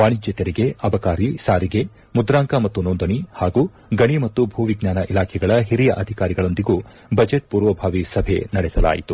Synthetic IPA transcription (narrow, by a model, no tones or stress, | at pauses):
ʋaːɳid͡ʒɐt̪ɐɾiɡe̞ɐbɐkaːɾisaːɾiɡe̞ | mud̪ɾaːŋkamɐt̪ːunoːnd̪ɐɳihaːɡuː | ɡɐɳimɐt̪ːubʱuːʋiɡɲaːnɐʔilaːkʰɛɡɐɭɐɦiɾijɐʔɐd̪ʱikaːɾiɡɐɭo̞nd̪iɡuː | bɐd͡ʒeʈ̚puːɾʋɐbʱaːʋisɐbʱenɐɽɛsɐla̰ːjit̪u